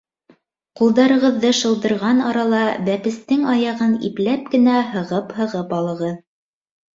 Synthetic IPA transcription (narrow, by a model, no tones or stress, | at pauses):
qulˠd̪ɑɾɤ̆ʁɤ̆ðːɤʃɤ̆lˠd̪ɤ̆ɾʁɑnɑɾɑlˠɑbæpɘ̆st̪ɘŋɑjɑʁɤnḭplæp̚kɘ̆næɦɤ̆ʁɤphɤ̆ʁɤpɑlˠɤ̆ʁɤð